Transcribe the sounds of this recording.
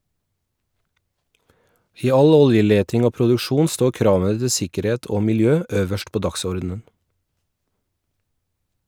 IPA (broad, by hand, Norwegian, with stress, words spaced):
ˈiː ˈɑl ˈɔljəˌleːtɪŋ ˈoː pɾʊdʉˈʃuːn ˈstoː ˈkɾɑːʋə ˈtɪ ˈsɪkəˌɾeːt ˈoː mɪlˈjøː ˈøːʋəʃt ˈpoː ˈdɑksɔɾdn̩ən